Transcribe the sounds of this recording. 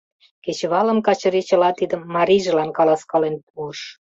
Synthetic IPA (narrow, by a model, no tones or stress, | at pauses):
ket͡ɕβɑlə̆mkɑt͡ɕə̆ɾit͡ɕə̆lɑt̪id̪ə̆mːɑɾʲiʒə̆lɑnkɑlɑskɑlenp̚uəʃ